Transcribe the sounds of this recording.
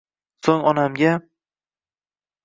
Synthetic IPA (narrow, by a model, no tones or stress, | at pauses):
soŋɒnamɡʲa